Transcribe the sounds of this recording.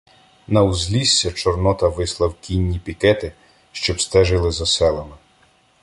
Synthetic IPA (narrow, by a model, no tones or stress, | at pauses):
nɐwzlʲisʲːɐt͡ʃɔrnɔt̪ɐʋɪslˠɐwkʲinʲːipʲikɛt̪ɪ | ʃt͡ʃɔbst̪ɛʒɪlˠɪzɐsɛlˠɐmɪ